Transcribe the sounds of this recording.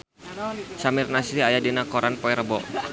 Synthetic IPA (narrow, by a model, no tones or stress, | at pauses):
samirnasɾiajadinakɔɾanpɔɛɾəbɔ